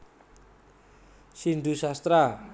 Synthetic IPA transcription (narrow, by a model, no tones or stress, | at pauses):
siɳɖ̪usast̪ɾa